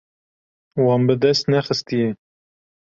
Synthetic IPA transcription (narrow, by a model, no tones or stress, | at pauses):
wɑːnbɨd̪ɛst̪nɛxɨst̪ije